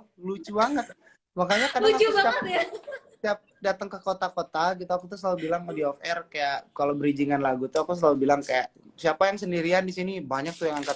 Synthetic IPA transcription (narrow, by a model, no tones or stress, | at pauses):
lut͡ʃubaŋət̪̚ | makaɲakadaauaa | siap̚dat̪əŋkəkot̪akot̪aɡit̪uakut̪us̬əlalubilaŋmədiɔfɛrkajaʔkalobəɾid͡ʒiŋanlaɡut̪uakus̬əlalubilaŋkajaʔsiapajaŋsəndiɾiandisinibaɲak̚t̪ujaŋaŋkat̪